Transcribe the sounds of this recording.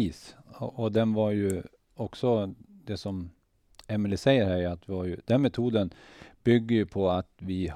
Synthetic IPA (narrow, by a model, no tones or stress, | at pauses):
iːsɔʔɔd̪ɛnvaɾjɵ | ɔksɔd̪̥ɛsɔm | ɛmɪlɪsɛɪːəɾhæɾat̪̚d̪ɛvaɾjɵd̪̥ɛnmɛt̪ʰuːd̪ənb̥ʏɡːəjɵpʰɔat̪vɪ